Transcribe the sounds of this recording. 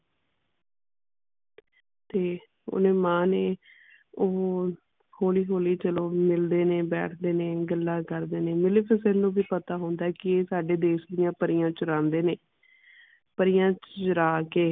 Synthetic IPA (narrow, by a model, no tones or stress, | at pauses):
t̪eː | o̰nẽːmãːneː | oː | hoːliːɦoːliːt͡ʃəloːmɪld̪eːneːbɛ̰ːʈʰd̪eːneːɡəlːãːkəɾd̪eːneːmɪleːpʰɪsəlnũːbiːpət̪aːɦõːnd̪aːɛːkɪeːsaːɖeːd̪eːsd̪ɪjãːpəɾɪjãːt͡ʃʊɾãːnd̪eːneː | pəɾɪjãːt͡ʃt͡ʃʊɾaːkeː